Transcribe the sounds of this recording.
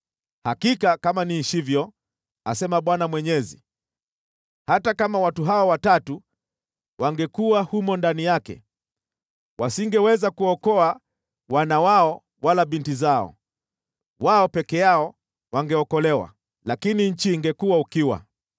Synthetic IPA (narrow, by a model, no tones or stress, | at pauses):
hakikakamaniʃivjɔ | a̰sɛmaɓwanamwɛɲɛzḭ | hatakamawatuɦawawatatu | wʔaŋɡɛkuwahumɔndanijakɛ̰ | wasiŋɡɛwɛzakuɔkɔa | wanawaɔ | walaɓintizaɔ̰ | waɔpɛkɛjaɔ | waŋɡɛɔkɔlɛwa̰ | lakiniɲ̩t͡ʃiːŋɡɛkuwaukiwa̰